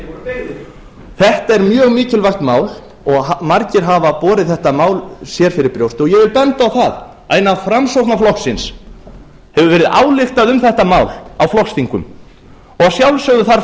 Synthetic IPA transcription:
θɛht̪aɛɾmjœːɣmiːcɪlvakt̪maːwl | ɔɣamaɾcɪɾ̥ɦaːvapɔːɾɪðθɛht̪amaːwlsjɛɾ̥fɪɾɪɾpɾjowst̪ɪɔjɛvɪlpɛnt̪aːwθað | a̰ːjnafɾamsowknaflɔxsɪns | hɛvʏvɛːɾɪða̰ːwlɪxt̪aðʏmθɛht̪amaːwla̰wflɔxst̪iŋkʏ̰m | ɔasjawlsœɣðʏθaɾ

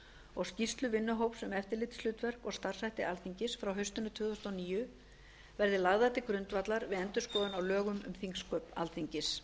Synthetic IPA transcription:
ɔɣscist̪lʏvɪnːʏɦowpsɛmɛft̪ɪɾlɪːt̪slʏːt̪vɛr̥kɔɣst̪ar̥sajht̪ɪʔalθiɲcɪsfɾawɦœɥst̪ʏnʏt̪ʰʏːðɔst̪ɔwniːjʏ | vɛɾðɪlaɣðaht̪ɪkɾʏnt̪vat̪laɾvɪðɛnt̪ʏ̥ɾskɔːðʏnawlœːɣʏmʏ̰mθiŋkskʰœːpa̰lθiɲcɪs

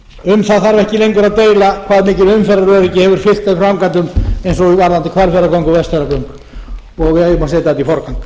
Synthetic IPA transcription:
ʏmθaðθaɾvɛhcɪlejŋkʏɾaðt̪eːjlakʰvaːðmɪːcɪɾʏmfɛɾaɾœɾɛcːɪhɛvʏɾ̥fɪl̥t̪aðifɾamkant̪ʏmejnsɔivaɾðant̪ɪkʰvaɾfɛɾakɔwŋkʏvɛst̪fɛɾakɔŋk | ɔɣajʏmasɛːt̪aðat̪ifɔɾkaŋk

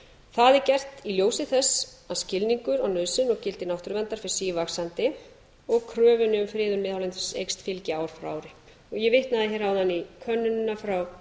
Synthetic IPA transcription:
θaðɛɾcɛr̥t̪iljoːwsɪθɛsː | aðscɪlniŋkʏɾawnʏðsɪnɔɣcɪlt̪ɪnawht̪ʏɾvɛnt̪aɾ̥fɪɾsiːvaksant̪ɪ | ɔɣkʰɾœːvʏnɪʏmfɾɪːðʏɾmɪːðhalɪnt̪sejkst̪fɪlcɪaːwɾ̥fɾaːwɾɪ | ɔɣjɛvɪht̪naðɪçɛːɾawðanːikʰœnːʏnʏnːafɾaw

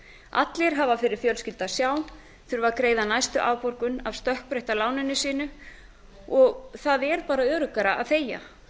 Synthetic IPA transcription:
a̰t̪lɪɾ̥ɦavafɪɾɪɾ̥fjœlscɪlt̪asjaːw | θʏɾvaɾkɾeːjðanajst̪ʏʔa̰ːwpɔɾkʏnavst̪œhk̚pɾejht̪alaːwnʏnːʏsiːnʏ | ɔɣθaðɛɾpaːɾaœːɾʏkaɾaa̰ðθeːja̰

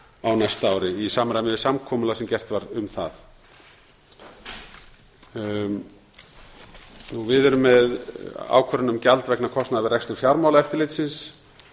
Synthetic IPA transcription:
awnajst̪aaːwɾɪisaːmɾajmɪðɪsamkʰɔːmʏlasɛmcɛr̥t̪vaɾʏmθa̰θ | nuvɪðɛɾʏmːɛða̰ːwkʰœɾʏnːʏmcalt̪vɛknakʰɔst̪naðvɪɾɛjkst̪ʏɾfjaɾmaːwlaɛft̪ɪɾlɪːt̪sɪns

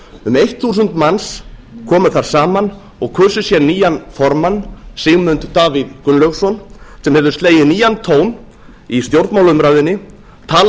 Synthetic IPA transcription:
ʏmejht̪θuːsʏnt̪manskʰɔːmʏ̥θaɾ̥saːman | ɔɣkʰvœsʏsjɛɾniːjanfɔɾmanːsɪːɣmʏnt̪t̪aːvɪðkʏnlœɣsɔnsɛmhɛvðʏɾst̪leːjɪniːjant̪ʰoːwn | ist̪jowɾt̪mawlʏmɾaɥðɪnːɪ | t̪ʰaːl

